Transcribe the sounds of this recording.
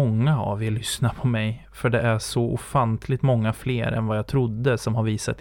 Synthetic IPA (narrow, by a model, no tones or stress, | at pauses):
ɔŋːaa̰velʏsnapʰɔmɛj | fœɖɛʔæʂɔʔʊfant̪ʰlɪɡt̪mɔŋːafleːɾɛ̰nvajaːt̪ʰɾʊd̪ːəsɔmhaɾviːsat̪